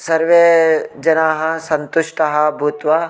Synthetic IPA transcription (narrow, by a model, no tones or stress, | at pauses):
sɐɾʋeːd͡ʒɐnaːɦɐ̆sɐnt̪uʃʈɐɦɐbʱut̪ʋɐ